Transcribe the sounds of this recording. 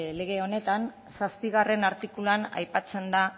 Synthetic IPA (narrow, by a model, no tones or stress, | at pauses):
le̞ɣ̞e̞o̞ne̞t̪an | saspiɣ̞are̞naɾt̪ikuluana̰jpat͡se̞nd̪a